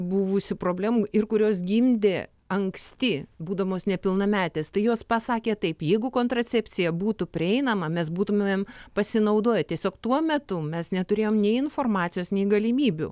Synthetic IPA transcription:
buʋʊsʲɪpɾoːbʲlʲæːmuɪrkʊɾʲoːs̬ɡʲimʲd̪ʲeː | ɐŋksʲt̪ʲɪbuːd̪ɐʋoːsnʲɛpʲɪlˠnɐmʲæːt̪ʲeːst̪ɐɪjoːspɑsɑːkʲeːt̪ɐɪpjɛɪɡʊkoːnt̪ɾɐt͡sʲɛpʲt͡s̪ʲsʲɪjɛbuːt̪ʊpʲɾʲɪɛɪnɐmɐmʲɛsbuːt̪ʊmʲeːmpɐsʲɪnɐʊd̪oːjɛtʲiɛsʲoːkt̪uɔmʲɛt̪ʊmʲɛsnʲɛt̪ʊɾʲeːjoːmnʲɛɪɪnfoːrmɑːt̪sʲɪjoːsnʲɛɪɡɐlʲɪmʲiːbʲʊ̰

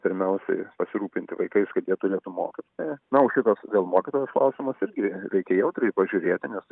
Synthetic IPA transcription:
pʲɪɾʲmʲɛʊsʲɛ̰ɪpɐsʲɪɾuːpʲɪnʲt̪ʲɪʋɐɪkɐɪskɐt̪jiɛt̪ʊɾʲeːt̪umo̰ːkʲɪt̪oːjɛnɐoːʃʲɪt̪ɐsʋʲeːlˠmoːkʲɪt̪oːjɛsklˠɐʊsʲɪmɐsɪɾʲɡʲɪɾʲɛɪkʲɛjɛʊt̪ɾʲɪpɐʒʲʊɾʲeːt̪ʲɪnʲɛs

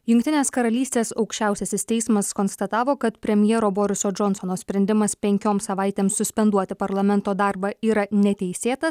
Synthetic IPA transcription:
jʊŋʲk̚t̪ʲɪnʲeːskɐɾɐlʲiːsʲt̪ʲeːsɒʊkʃʲt͡ʃʲæʊsʲɛsʲɪst̪ʲɛɪsmɐskonst̪ɐt̪ɑːʋoːkɐt̪pʲɾʲɛmʲjɛɾoːboːɾʲɪsoːd͡ʒɔnsonoːsʲpʲɾʲɛnʲd̪ʲɪmɐspʲɛŋʲkʲoːmsɐʋɑˑɪt̪ʲeːmsʊsʲpʲɛnd̪uɔt̪ʲɪpɐɾlˠɐmʲɛnt̪oːd̪ɑˑɾbɐiːɾɐnʲɛt̪ʲɛɪsʲeːt̪ɐs

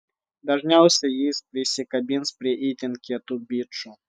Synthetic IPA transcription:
d̪ɐʐnʲawˠsʲɐjejspɾʲɪsʲɪkɐbʲinspɾʲɪʔit̪ʲɪnkʲɪɐt̪ubʲitt͡ʂʊ

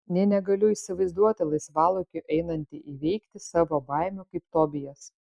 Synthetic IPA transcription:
nʲɛnʲɛɡɐlʲʊiːsʲɪʋɐɪzd̪uɔt̪ʲɪlˠɐɪsʋɑːlˠʊkʲʊʔɛɪnɐnʲt̪ʲiʔiʋʲɛɪkt̪ʲɪsɑːʋoːbɐˑɪmʲʊkɐɪpt̪oːbʲɪjos

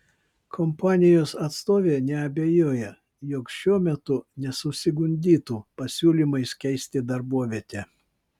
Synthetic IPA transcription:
kʰɔmpɑːnʲɪjoːsɐt̪st̪oːʋʲeːnʲɛɐbʲejoːjɛ | joːkʃʲuɔmʲɛt̪ʊnʲɛsʊsʲɪɡʊnʲd̪ʲiːt̪uːpɐsʲuːlʲiːˑmɐɪskʲɛɪsʲt̪ʲɪd̪ɐɾbuɔʋʲiɛt̪ʲɛː

